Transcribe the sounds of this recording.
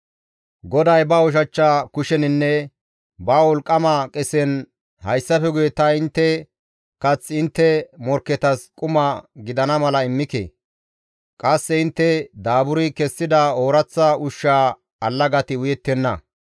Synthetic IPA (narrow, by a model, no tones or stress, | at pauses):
ɡɔd̪ɐjbɐɔʃ̬ɐt͡ʃːakʊʃɛnɪnːɛ | bɐwɔlkʼːɐmɐkʼɛsɛn | hɐjsːɐfɛɡʊjɛt̪ɐɪnt̪ːɛ | kɐt͡sːɪnt̪ːɛmɔɾkːɛt̪ɐskʼʊmɐɡɪd̪ɐnɐmɐlɐɪmːɪkɛ̰ | kʼɐsːɛɪnt̪ːɛd̪aːbʊɾɪkɛsːɪd̪ɐoːɾɐt͡sːɐʊʃːaː | ɐlːɐɡɐt̪ɪʊjɛt̪ːɛnːɐ